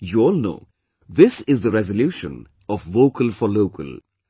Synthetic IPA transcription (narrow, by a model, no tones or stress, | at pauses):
juɔːlno̰ː | d̪ɪsɪzd̪əɾɛzəljuːʃə̰̃n | ɔfʋoːkəlfɔloːkə̰l